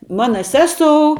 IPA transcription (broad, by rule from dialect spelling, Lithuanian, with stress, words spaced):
ˈmɑːnɐ ˈsʲæːˌsoːʊ